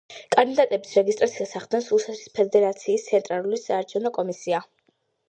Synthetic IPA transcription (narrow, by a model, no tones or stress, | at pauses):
kʼand̪id̪at̪ʼɛbisɾɛɡist̪ʼɾat̪sʰiasaχd̪̥nɛnsusɛt̪ʰɾi̥spʰɛd̪ɛɾat̪sʰiːst̪sʰɛnt̪ʼɾalulisaːɾt͡ʃʰɛvnɔkʼɔmisia